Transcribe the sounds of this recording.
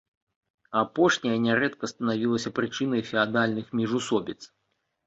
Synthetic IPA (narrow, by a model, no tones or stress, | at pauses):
apɔʂnʲɐjɐnʲɛɾɛt̪kɐst̪ɐnavʲilˠɐsʲɐpɾɨt͡ʂɨn̪ɐjfʲɛad̪alʲnɨxmʲiʐusɔbʲit̪s